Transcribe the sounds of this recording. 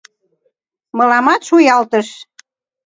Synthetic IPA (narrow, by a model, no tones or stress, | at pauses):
mɤ̆lɑmɑt̪ʃujɑlt̪əʃ